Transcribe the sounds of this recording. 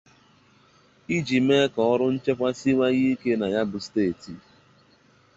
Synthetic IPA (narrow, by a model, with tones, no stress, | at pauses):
i˦d͡ʒi˨me˦kɔ˨ɔ˦ɾʊ˦n̩˦t͡ʃe˦kʷa˦si˦ŋʷa˦ɣi˦ke˦na˨ja˦bʊ˨steː˦˨ti˨